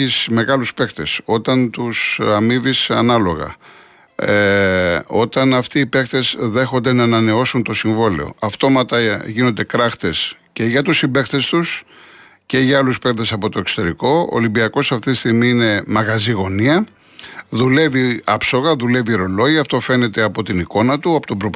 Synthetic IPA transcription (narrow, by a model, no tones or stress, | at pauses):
isme̞ɣɐluspe̞xt̪e̞so̞t̪ɐnt̪usɐmivisɐnɐlo̞ɣɐ̰ | o̞t̪ɐnɐft̪iːpe̞xt̪e̞sðe̞xo̞nd̪e̞nɐenɐne̞o̞sunt̪o̞siɱvo̞leo̞̰ɐft̪o̞mɐt̪ɐʝino̞nd̪e̞kɾɐxt̪e̞sce̞ʝɐt̪usimbe̞xθe̞st̪us | ce̞ʝɐɐluspe̞k̪ðe̞sɐpo̞t̪o̞e̞kso̥t̪e̞ɾiko̞o̰limbiɐko̞sɐft̪it̪i̥st̪iɣmiine̞mɐɣɐziɣo̞niɐ | ðule̞viɐpso̞ɣɐðule̞vieɾo̞lo̞ʝiɐft̪o̞fe̞ne̞t̪e̞ɐpo̞t̪iniko̞nɐt̪uɐpot̪obɾop